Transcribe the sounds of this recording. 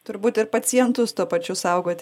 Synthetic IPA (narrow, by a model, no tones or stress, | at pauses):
t̪ʊɾbuːt̪ɪɾpɐt͡s̪ʲɪɛnt̪ʊst̪uɔpɐt͡ʃʲʊsɐʊɡoːt̪ʲ